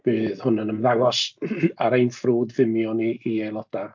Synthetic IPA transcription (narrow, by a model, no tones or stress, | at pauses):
b̥øːðhʊnənəmðawɔsaɾejnfruːdvɪmjɔniːejlˠɔd̥a